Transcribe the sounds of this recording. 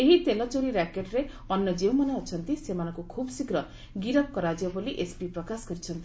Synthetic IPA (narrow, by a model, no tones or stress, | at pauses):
eɦit̪elɔt͡ʃoɾiɾakeʈɾe | ʌnːʌd͡ʒewmʌneɔt͡ʃʰʌnt̪isemanɔŋkukʰubsikɾʌ | ɡiɾʌp̚kɔɾad͡ʒjʌboliʔespipɾɔkasɡʌɾit͡ʃʰʌnt̪i